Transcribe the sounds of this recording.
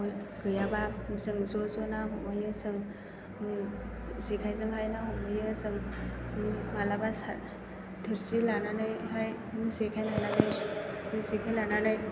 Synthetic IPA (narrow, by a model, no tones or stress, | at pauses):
ɡɯjabamɯzɯŋzɔzɔnaɦɔmɯjɯsɯŋ | mɯ | zekʰajzɯŋɦajnamɔmɯjɯsɯŋmɯmalabasa̰ɾ | dʰɯɾsilananɯjɦaj | musekʰajlananɯjmɯsikʰajlananɯj